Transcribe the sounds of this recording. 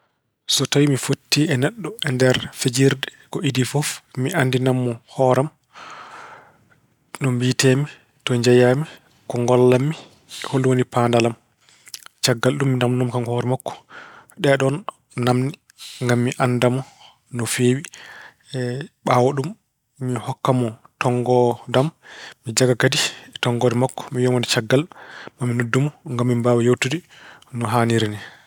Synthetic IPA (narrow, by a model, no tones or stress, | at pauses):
sɔtawimifotːiɛnɛɗːɔɛndɛɾfed͡ʒiɾdɛ | kɔidifɔfmiʔanːdinamːɔhɔːɾam | nɔmbitemi | tɔɲd͡ʒajami | kɔŋɡɔlːamːi | holwonipandalam | t͡ʃaɡːalɗumːinamnɔmkaŋhɔɾɛmakːɔ̥ɗɛɗɔnː | amni | ŋɡamːiʔandamɔ | nɔfeːwi | ɓawaɗumː | ihɔkːamɔtɔŋɡɔdamːid͡ʒaɡakaditɔŋɡɔdɛmakːɔ̥mijɔmɔndɛt͡ʃaɡːalɗumamːinodːumɔŋɡamːimbaːwajowtudi | nɔɦaniɾinɛ